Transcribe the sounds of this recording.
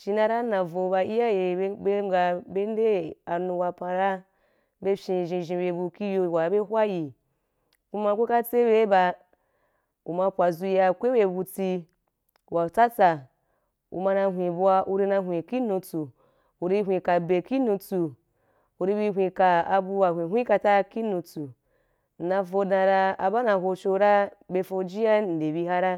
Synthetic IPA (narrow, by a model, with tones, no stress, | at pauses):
ʃi˧nã˧ɾa˦nã˨vo˨˧ba˧i˦ja˦je˨˦be˦ɡa˧be˦n˦de˦a˨nũ˧ba˧pã˧ɾa˦ | be˦fʲĩ˧˨ʒĩ˧ʒĩ˧be˧bu˧ki˦jo˧˨wa˨be˦ɦʷwa˦ji˨ | ku˦mã˧kʷo˦ka˦t͡se˦be˦ba˧ | u˨ma˧pʷa˨zu˧ja˧kʷe˦we˧bu˧t͡si˧ | wa˨t͡sa˦t͡sa˨ | ṵ˨ma˧na˧ɦʷĩ˨bu˧a˧ʔu˧ɾi˧na˧ɦʷĩ˨ki˦nũ˧t͡su˨ | u˨ɾi˧ɦʷĩ˨ka˨be˨ki˦nũ˧t͡su˨ | u˨ɾi˧bi˧ɦʷĩ˨ka˨a˧bu˧wa˨hʷĩ˨ɦʷĩ˦ka˧ta˦ki˦nũ˧t͡su˨ | n̩˨na˧fo˧dã˧ɾa˧a˧ba˦na˧ɦo˧t͡ʃo˧ɾa˦be˧fo˧d͡ʒi˦a˦n̩˨de˨bi˧ɦa˦ɾa˦